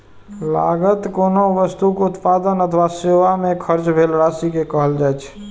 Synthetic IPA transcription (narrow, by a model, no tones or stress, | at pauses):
la̰ɡət̪konoʋəst̪ukeʊt̪pad̪ənət̪ʰʋaseʋamekʰəɾt͡ʃbʱelɾasikekəɦəld͡ʒajt͡ʃʰ